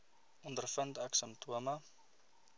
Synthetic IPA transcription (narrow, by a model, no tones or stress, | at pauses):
ʔɔndərfəntɐksəntʰuəmɐ